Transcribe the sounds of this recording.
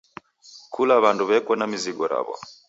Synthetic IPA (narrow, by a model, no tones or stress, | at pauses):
kʰulaβanduβɛkwɔnamiziɡɔɾa̰βɔ̰